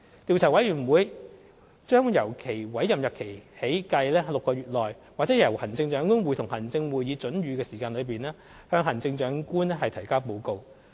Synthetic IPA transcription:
t̪iː˨˧wt͡sʰaː˨˩wɐ˨˥jyː˨˩nwuː˨˧j | t͡ʃœː˥ŋjɐ˨˩wkʰe˨˩jwɐ˨˥jːɐ˨mjɐ˨˩kʰe˨˩jhe˨˥jkɐ˧jlɛː˥lʊ˨kːɔː˧ɥyː˨t̚lɔː˨j | waː˨˩t͡sɛː˨˥jɐ˨˩whɐ˨˩nt͡sɪ˧ŋt͡ʃœː˨˧˥ŋkuː˥nwu˨˧jt̪ʰʊ˨˩ŋhɐ˨˩nt͡sɪ˧ŋwuː˨˩jjiː˨˧t͡ʃɵ˨˥nɥyː˨˧kɛː˧siː˨˩kaː˧nlɵ˨˧ɥp̬iː˨nɛː˥ | hœː˧ŋɦɐ˨˩nt͡sɪ˧ŋt͡ʃœː˨˥ŋkuː˥nɛ˥ɦɐ˨jt̪ʰɐ˨˩jkaː˥po˨˧wko˧w

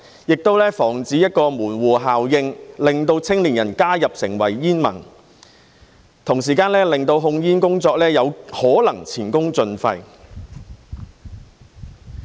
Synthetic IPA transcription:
jɪ˨k̚t̪o˥wlɛː˥fɔː˨˩ŋt͡siː˨˥jɐ˥t̚kɔː˧muː˨˩nwuː˨ɦaː˨wjɪ˧ŋlɪ˨ŋt̪o˧wt͡sʰɪ˥ŋliː˨˩njɐ˨˩nkaː˥jɐ˨p̚sɪ˨˩ŋwɐ̰˨˩jːiː˥nmɐ̰˨˩n | t̪ʰʊ˨˩ŋs̬iː˨˩kaː˧nlɛː˥lɪ˨ŋt̪o˧wɦʊ˧ŋjiː˥nkʊ˥ŋt͡sɔː˧k̚lɛː˥jɐ˨˧whɔː˨˥lɐ˨˩ŋt͡sʰiː˨˩nkʊ˥ŋt͡sɵ˧nfɐ˧j

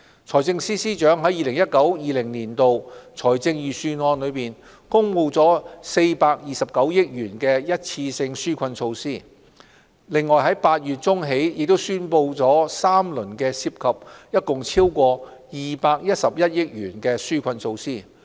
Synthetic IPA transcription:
t͡sʰɔː˨˩jt͡sɪ˧ŋsiː˥siː˥t͡ʃœː˨˥ŋɦɐ˨˥jiː˨lɪ˨˩ŋjɐ˥t̚kɐ˨˥wjiː˨lɪ˨˩ŋniː˨˩nt̪o˨wt͡sʰɔː˨˩jt͡sɪ˧ŋjiː˨˩syː˧nɔː˧nlɵ˨˧piː˨n | kʊ˥ŋwu˨˧wt͡sɔː˨˥se˧jpaː˧k̚jiː˨sɐ˨p̚kɐ˨˥wjɪ˥k̚jyː˨˩nkɛː˧jɐ˥t̚t͡sʰiː˧sɪ˧ŋsyː˥kʷʰɐ˧nso˧wsiː˥ | lɪ˨ŋːɔː˨˩jɦɐ˨˥jpaː˧t̚jyː˨t̚t͡ʃʊ˥ŋɦe˨˥jjɪ˨k̚t̪o˥wsyː˥npo˧wt͡sɔː˨˥saː˥mlɵ˨˩nkɛː˧si˧˥p̚kʰɐ˨p̚jɐ˥t̚kʊ˨ŋt͡sʰiː˥wkʷɔː˧jiː˨paː˧k̚jɐ˥t̚sɐ˨p̚jɐ˥t̚jɪ˥k̚ɥyː˨˩nkɛː˧syː˥kʰʷɐ˧nso˧wsiː˥˩

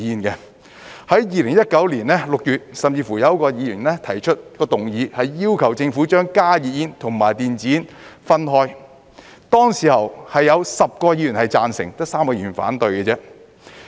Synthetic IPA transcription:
iː˧nkɛ˧ | hɐ˨˥jjiː˨˩lɪ˨˩ŋjɐ˥t̚kɐ˨˥wliː˨˩nlɛː˥lʊ˨k̚jyː˨t̚sɐ˨mt͡siː˧fuː˨˩jɐ˨˧wkɔː˧jiː˨˧jy˨˩nlɛ˥t̪ʰɐ˨˩jt͡ʃʰɵ˥t̚kɔː˧t̪ʊ˨˩ŋjiː˨˧hɐ˨jiː˥wkʰɐ˨˩wt͡sɪ˧ŋfu˨˥t͡ʃœː˥ŋkaː˥jiː˨jiː˧nt̪ʰʊ˨˩ŋmaː˨˩jt̪iː˨nt͡siː˨n | fɐ˥nɦɔː˥j | t̪ɔː˥ŋsiː˨˩hɐ˨whɐ˨jːɐ˨˧wsɐ˨p̚kɔː˧jiː˨˧jy˨˩nhɐ˨jt͡saː˧nsɪ̰˨˩ŋt̪ɐ˥saː˥mkɔː˧y˨˩nfa̰ː˨˥nt̪ɵ˨ɥkɛ˧t͡sɛ˥

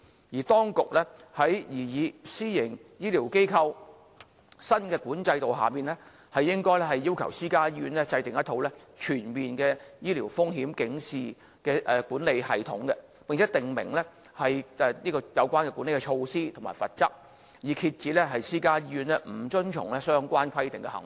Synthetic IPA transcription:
jiː˨˩t̪ɔː˥ŋkʊ˨k̚lɛː˥hɐ˨˥jjiː˨˩jiː˨˧siː˥jɪ˨˩ŋjiː˥liː˨˩wke˥jkʰɐ˧w | sɐ˥nkɛː˧kuː˨˥nt͡sɐ˧jt̪o˨wɦa̰ː˨miː˨˩nlɛ˥ | hɐ˨jːɪ˥ŋkɔː˥jlɛ˥hɐ˨jːiː˥wkʰɐ˨˩wsiː˥kaː˥jiː˥yː˧nlɛ˥t͡sɐ˧jt̪ɪ˨ŋjɐ˥t̪ʰo˨˥wlɛː˥t͡ʃʰyː˨˩nmiː˨nkɛː˧jiː˥liː˨˩wfʊ˥ŋɦiː˨˥mkɪ˨˥ŋsiː˨ | kɛː˧ʔɛː˨˧kuː˨˥nle˨˧jhɐ̰˨jt̪ʰʊ˨˥ŋkɛ˧ | pɪ˨ŋt͡sʰɛ˨˥t̪ɪ˨ŋmɪ̰˨˩ŋlɛ˥ | hɐ˨jʔɛ˨˧niː˥kɔː˧jɐ˨˧wkʷaː˥nkɛ˧kuː˨˥nle˨jkɛ˧t͡ʃʰo˧wsiː˥t̪ʰʊ˨˩ŋma̰ː˨˩jfɐ̰˨t̚t͡sɐ˥k̚ | jiː˨˩kʰi˧t̚t͡siː˨˥lɛ˥ɦɐ˨jsiː˥kaː˥jiː˥jy˨˧nlɛ˥m̩˨˩t͡ʃɵ˥nt͡ʃʰʊ̰˨˩ŋlɛː˥sœː˥ŋkʷaː˥nkʰɐ˥jt̪ɪ˨ŋkɛ̰˧hɐ̰˨˩ŋ˨˦

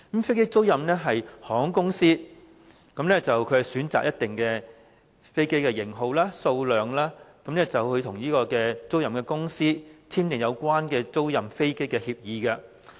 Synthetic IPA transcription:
kmfe˥jke˥jt͡so˥wjɐ˨mnɛː˥ɦɐ˨jhɔː˨˥ŋkʊ˥ŋsiː˥ | kɐ˨˥mnɛː˥t͡sɐ˨wkʰɵ˨˧ɥhɐ˨˩jsyː˨˥nt͡sa̰ː˨k̚jɐ˥t̪̚ɪ˨ŋkɛ˧ | fe˥jke˥jkɛː˧jɪ˨˩ŋɦo˨wlaː˥so˧wlœː˨ŋlaː˥kɐ˨˥mnɛː˥t͡sɐ˨whɵ˧jt̪ʰʊ˨˩ŋjiː˥kɔː˧kɛː˧t͡so˥wjɐ˨mkɛː˧kʊ˥ŋsiː˥t͡sʰiː˥mt̪ɪ˨ŋjɐ˨˧wkʷwaː˥nkɛː˧t͡so˥wjɐ˨mfe˥jke˥jkɛː˧hiː˧p̚jiː˨˧kɐ˧

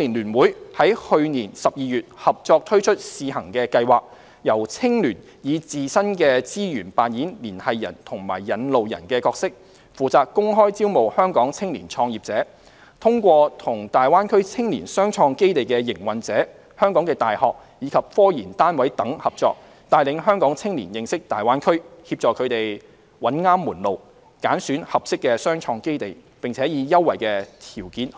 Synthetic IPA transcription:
liː˨˩nlyː˨˩nwuː˨˥jhɐ˨˥jhɵ˧ɥniː˨˩nsɐ˨p̚jiː˧jyː˨t̚hɐ˨p̚t͡sɔː˧k̚t̪ʰɵ˥t͡ʃʰɵ˥t̚siː˨˧hɐ˨˩ŋkɛː˧kɐ˧jwaː˨k̚ | jɐ˨˩wt͡sʰɪ˥ŋlyː˨˩n | jiː˨˧t͡siː˨sɐ˥nkɛː˧t͡siː˥jyː˨˩npaː˨njiː˨˥nliː˨˩nhɐ˨jːɐ̰˨˩nt̪ʰʊ˨˩ŋma̰ː˨˩jːɐ˨˧nlo˨wjɐ̰˨˩nkɛː˧kɔː˧k̚sɪ˥k̚ | fuː˨t͡saː˨kkːʊ˥ŋɦɔː˥jt͡siː˥wmo˨˩whœː˥ŋkɔː˨˥ŋt͡sʰɪ˥ŋlḭː˨˩nt͡ʃʰɔː˧ŋjiː˨˩p̚t͡sɛː˨˥ | t̪ʰʊ˥ŋkʷɔː˧t̪ʰʊ˨˩ŋt̪aː˨jwaː˥nkʰɵ˥ɥt͡sʰɪ˥ŋlḭː˨˩nsœː˥ŋt͡ʃʰɔː˧ŋke˥jt̪e˨jkɛː˧jɪ˨˩ŋwɐ˨nt͡sɛː˨˥ | hœː˥ŋkɔː˨˥ŋkɛː˧t̪aː˨jhɔ̰ː˨k̚ | jiː˨˧kʰɐ˨p̚fɔː˥jiː˨˩nt̪aː˥nwɐ˨˥jt̪ɐ˨˥ŋhɐ˨p̚t͡sɔ̰ː˧k̚ | t̪aː˨˧jlɪ˨˧ŋɦœː˥ŋkɔː˨˥ŋt͡sʰɪ˥ŋliː˨˩njɪ˨˧ŋsɪ˥k̚t̪aː˨jwaː˥nkʰɵ˥ɥhiː˧p̚t͡ʃɔː˨kʰɵ˨˧ɥt̪e˨j | wɐ˨˥nŋaː˥mːuː˨˩nlo˨w | kaː˨˥nsyː˨˥nhɐ˨p̚sɪ˥kːɛː˧sœː˥ŋt͡ʃʰɔː˧ŋke˥jt̪e˨j | pɪ˨ŋt͡sʰɛː˨˥jiː˨˧jɐ˥wːɐ̰˨˩jkɛː˧t̪ʰiː˨˩wkiː˨˥n

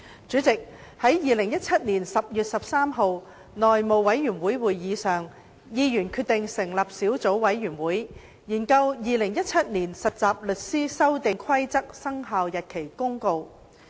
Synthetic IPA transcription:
t͡ʃyː˨˥t͡sɪ˨k̚hɐ˨˥jjiː˨˧lɪ˨˩ŋjɐ˥t̚t͡sʰɐ˥t̚niː˨˩nsɐ˨p̚jyː˨t̚sɐ˨p̚saː˥mɦo˨˧w | nɔː˨jmo˨˧wwɐ˨˥jːyː˨˩nwuː˨˥jwuː˨jjiː˨˧sœː˨ŋ | jiː˧jyː˨˩nkʰyː˧t̪ɪ˨ŋsɪ˨˩ŋlɐː˨˩p̚siː˨˥wt͡so˨˥wwɐ˨˥jːyː˨˩nwuː˨˥j | jiː˨˩nkɐ˧wjiː˨˧lɪ˨˩ŋjɐ˥t̚t͡sʰɐ˥t̚niː˨˩nsɐ˨t̚t͡saː˨p̚lɵ˨t̚siː˥sɐ˥wt̪ɪ˨˧ŋkʷʰɐ˥jt͡sɐ˥k̚sɐ˥ŋɦaː˨wjɐ˨t̚kʰe˨˩jkʊ˥ŋko˨˧w

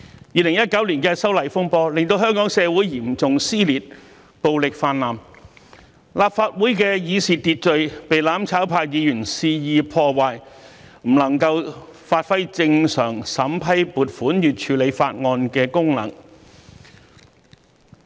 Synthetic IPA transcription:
jiː˧lɪ˨˩ŋjɐ˥t̚kɐ˨˥wliː˨˩nkɛː˧sɐ˥wlɐ˨˩jfʊ˥ŋpɔː˧lɪ˨ŋt̪o˧wɦœː˥ŋkɔː˨˥ŋsɛː˨˧wuː˨˥jjiː˨˩mt͡sʊ˨ŋsiː˥liː˨t̚ | po˨wlɪ˨k̚faː˧nlaː˨m | laː˨p̚faː˧t̚wuː˨˥jkɛː˧jiː˨˧siː˨t̪iː˧t̚t͡ʃɵ˨˧ɥpe˨jlaː˨˥mt͡sʰaː˨˥wpʰaː˧k̚jiː˨˧jy˨˩nsiː˧jiː˧pʰɔː˧waː˨˧jm̩˨˩lɐ˨˩ŋkɐ˧wfaː˧t̚fɐ˥jt͡sɪ˧ŋsœː˨˩ŋsɐ˨˥mpʰɐ˥jpuː˨˧t̚fuː˨˥njyː˨t̚t͡ʃʰyː˨˥le˨˧jfa̰ː˧t̚ŋɔː˧nkɛː˧kʊ˥ŋlɐ̰˨˩ŋ

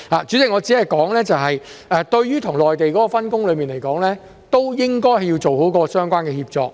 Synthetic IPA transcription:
aː˨t͡ʃyː˨˥t͡sɪ˨kŋɔː˨˧t͡siː˨˥hɐ˨jkɔː˨˥ŋlɛː˥t͡sɐ˨wɦɐ˨jʔɛː˨t̪ɵ˧ɥjyː˥t̪ʰʊ˨˩ŋlɔː˨jt̪e˨jkɔː˨˥kɔː˧fɐ˥nkʊ˥ŋlɵ˨˧ɥmiː˨nle˨˩jkɔː˨˥ŋlɛː˥ | t̪o˥wjɪ˥ŋkɔː˥jɦɐ˨jiː˧wt͡so˨who˨˥wkɔː˧sœː˥ŋkʷwaː˥nkɛː˧hiː˧p̚t͡sɔ̰ː˨˧k̚

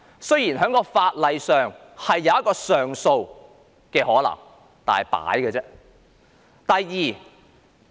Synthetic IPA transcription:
sɵ˥ɥjiː˨˩nɦœː˨˥ŋkɔː˧faː˧t̚lɐ˨jsœː˨ŋ | hɐ˨jːɐ˨˧wɐ˥t̚kːɔː˧sœː˨ŋso˧w | kɛː˧hɔː˨˥lɐ̰˨˩ŋ | t̪a̰ː˨nhɐ˨˩jpa̰ː˨˥jkɛː˧t͡sɛː˥ | t̪ɐ˨jːiː˨

